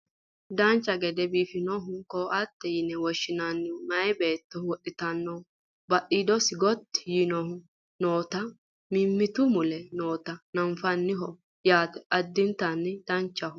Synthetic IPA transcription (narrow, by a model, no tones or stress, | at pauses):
d̪ɐnt͡ʃːɐɡɛd̪ɛbiːfɪnɔɦʊkɔɐt̪ːɛjɪnɛwɔʃːɪnanːɪmɐjɛbe̞ːt̪ːɔwɔɗːɪt̪ɐnːɔ | bɐɗiːd̪ɔsɪɡɔt̪ːɪ̥jinɔhʊ | noːt̪ɐ | mɪmːɪt̪ʊmʊlɛnoːt̪ɐnɐɱfɐnːɪɦɔ | jaːt̪ɛɐd̪ːɪmt̪ɐnːɪd̪̥ɐnt͡ʃːɐhʊ